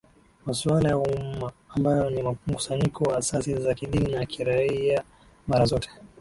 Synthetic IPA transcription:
masualajauumaːmbajɔnimm̩ku̥saɲikʰɔwaːsasizakiɗininakʰiɾaia | maɾazɔtʰɛ̥

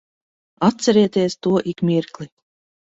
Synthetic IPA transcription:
at̪̚sʲɛɾɛt̪iɛst̪uɔʔikmʲiɾklˠi

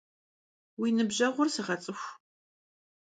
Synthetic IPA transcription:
winɨbʑɐʁʷʊrsɨʁɐt͡sʼɨxʷ

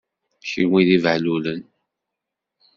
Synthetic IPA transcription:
çiwiðivʕlulən

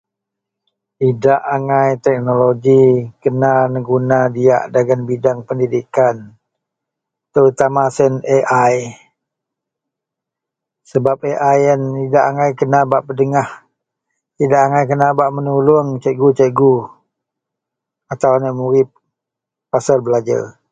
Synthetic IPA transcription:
idaʔaŋajt̪ɛk̚noloɡikənanəɡunadia̰ʔdaɡanbidaŋpəndidikan | t̪əut̪amasɛneʔaj | səbap̚eʔajənidaʔaŋajkənabaʔpədəŋah | idaʔaŋajkənabaʔmənulʊŋt͡ʃɛɡut͡ʃɛʔɡu | at̪awanəʔmuɾɪp̚ː | asalbəlad͡ʒa̰r

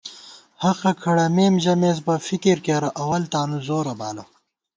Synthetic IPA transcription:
hɐxɐkʰɐɽɐmeːmʑɐmeːz̬bɐfikiɾkeɾɐʔɐwɐlt̪aːnuzoːɾɐbaːlɐ

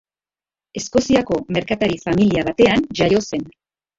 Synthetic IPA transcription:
e̞sko̞siako̞me̞ɾkat̪aɾifamiliaβ̞at̪e̞anʝajo̞se̞n

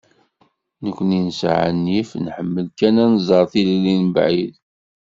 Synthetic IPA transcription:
nəkʷːninsʕə̰nːifnħəmːəlkænænzˤəɾˤθillːinbʕið

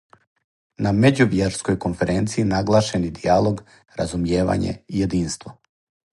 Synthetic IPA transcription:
name̞d͡ʑuʋjeɾskojko̞nfe̞ɾent̪sijinaɡlˠaːʃenid̪ialˠo̞ɡ | ɾazumjeːʋa̰ɲḛije̞d̪iːnst̪ʋo

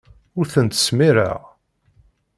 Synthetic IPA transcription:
ʊɾθənt̪ə̥smiɾə̰ʁ

